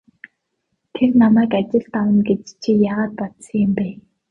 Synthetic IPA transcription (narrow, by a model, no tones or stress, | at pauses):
t̪ʰernamæːkat͡ɕɪ̆ɬt̪awə̆nɡet͡ɕt͡ɕʰijaːʁaːt̪̚pɔt̪siŋɪmpæː